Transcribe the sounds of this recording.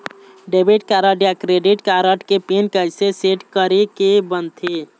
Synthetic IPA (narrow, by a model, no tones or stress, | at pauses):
ɖebʱiʈkaɾəɖjakɾeɖiʈkaɾəʈkepenkəjseseʈkəɾekebənt̪ʰi